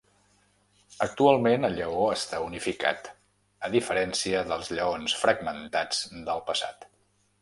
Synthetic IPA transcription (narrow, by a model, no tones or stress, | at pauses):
ək̚t̪ualˠmenəʎəoəst̪aunifika̰t̪ | əðifəɾɛnsiəðəlˠzʎəonsfɾəɡmənt̪ad͡zd̪əlˠpəsa̰t̪